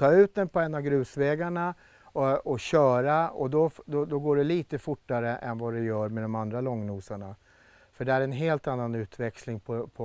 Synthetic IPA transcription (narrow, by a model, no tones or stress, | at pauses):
t̪ʰɑːʉ̟ːt̪̚d̪ɛnpʰɔɛnːavɡɾʉ̟ːsvɛːɡaɳa | ɔɔɕœːɾaɔ̰d̪ɔd̪ɔd̪ɔɡoːɖɛliːt̪əfʊʈːaɾəʔɛ̰nvad̪ɛjœːɾmɛd̪ɔmand̪ɾalɔŋːnuːsaɳa | fœɖɛæɾɛnɦeːlt̪anːanʉ̟ːt̪vɛkslɪŋpʰɔpʰɔ